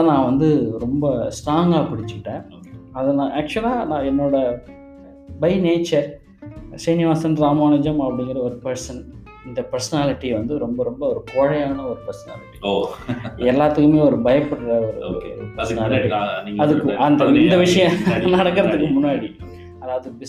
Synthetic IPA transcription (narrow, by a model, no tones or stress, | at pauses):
ɐnãːʋɐnd̪ɯɾɔmbɐsʈaːŋɡaːpɪɽɪt͡ʃːɯʈːẽː | ɐðɐnãːæːk̚t͡ʃʊɐlaːnãːɛnːoːɽɐ | bɐɪneːt͡ʃːɐɾ | sɐnɪʋaːsɐnɾaːmaːnɐd͡ʒɐmɐpːɐɽɪŋɡɪɾɐɐɔɾɯpɐɾsɐn | ɪnd̪ɐpɐɾsɐnaːlɪʈːiʋɐnd̪ɯɾɔmbɐɾɔmbɐɔɾɯkoːɻɐjaːnɐɔɾɯpɐɾsɐna̰ːlɪʈːio | ɛlːaːt̪ːɯkːɯmeːɔɾɯbɐjɐpːɐɽɾɐɔɾɯ̰ɔ̰ɾɯpɐɾsɐnaːlʈːiɐðɯkːɯɐnd̪ɐɪnd̪ɐʋɪʂɐjɐ̃nɐɽɐkːɯɾɐðɯkːɯmʊnːaːɽi | ɐðaːʋɐðɯbɪ